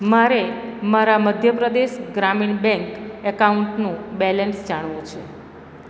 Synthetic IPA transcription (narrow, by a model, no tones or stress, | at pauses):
maɾemaɾaməd̪ʱjəpɾəd̪eʃɡɾamiɳbɛ̃ŋkɛkauɳʈnũbɛlɛnsd͡ʒaɳ̃ʋũt͡ʃʰe